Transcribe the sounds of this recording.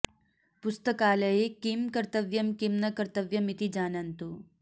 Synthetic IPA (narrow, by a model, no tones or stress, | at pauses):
pʊst̪əkaːlɐekimkɐɾt̪ɐʋjɐmkimnɐkɐɾt̪ɐʋjɐmit̪id͡ʒaːnɐnt̪u